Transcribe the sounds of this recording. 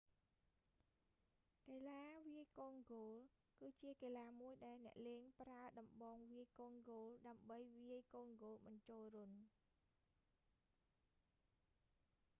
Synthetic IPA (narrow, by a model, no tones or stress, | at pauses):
keːlaːʋiəjkoːnɡoːl | kɨːt͡ɕiəkeːlaːmuəjɗaɛlnɛ̆əʔleːŋpraəɗɑmɓɑːŋʋiəjkoːnɡoːlɗaəmɓəjʋiəjkoːŋɡoːlɓɑɲt͡ɕoːlruən